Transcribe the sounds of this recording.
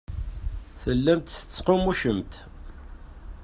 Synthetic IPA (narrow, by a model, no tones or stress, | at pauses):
θəlːæmt̪θə̥t͡sːqomuʃəmt̪